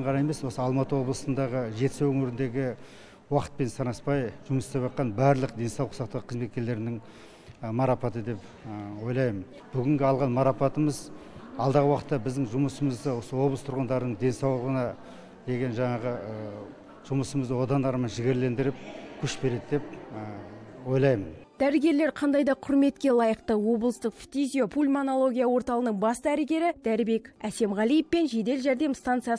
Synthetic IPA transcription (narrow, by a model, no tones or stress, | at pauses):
ɴʁɑnɑjeme̞swo̞səɑlˠmɑt̪əwo̞blˠəsənd̪ɑʁəʒe̞t̪sewɵŋʏɾɪnd̪e̞ɡʲɪ | wɑqə̥t̪̚pe̞nsʰɑɾɑspɑjʒ̥ʊməsɪ̥t̪epɑt̪̚qɑnbæɾlˠəq̚d̪e̞nsɑwləqsɑqt̪ɑʁəqʰəzme̞t̪̚kʲe̞ɾle̞ɾɪnɪŋ | mɑɾɑpɑt̪əd̪e̞p | wo̞jlˠɑjmən | b̥ʏɡʲɪŋɡʲɪɑlˠʁɑnmɑɾɑpɑt̪əməzɑlˠd̪ɑʁəwɑqə̥t̪ːɑbɪzd̪ɪŋʒʊməsəməzd̪əwo̞səwo̞blˠəst̪ʰʊɾʁənd̪ɑɾənəɴd̪e̞nsɑwlˠəʁənɑ | d̪e̞ɡʲe̞nʒɑɴɑʁəə | ʒ̥ʊməsəməzd̪əwo̞d̪ɑnd̪ɑɾmɑnʒɪɡʲeɾle̞nd̪ɪɾɪp̚kʲʰɵʃbe̞ɾe̞d̪d̪e̞p | wo̞jlˠɑjmənd̪̥æɾɪɡʲe̞ɾle̞ɾqʰɑnd̪ɑjd̪ɑqʰʊɾme̞t̪kʲe̞lˠɑjəqt̪əwo̞blˠəst̪əqft̪izijo̞pʰulʲmonolˠo̞ɡʲijawo̞ɾt̪ɑlˠənəɴbɑst̪əæɾɪɡʲe̞ɾɪd̪̥æɾɪbe̞kʲæse̞mʁɑlˠijəfpe̞nʒe̞d̪e̞lʒæɾd̪e̞mst̪ɑnt̪sjɑ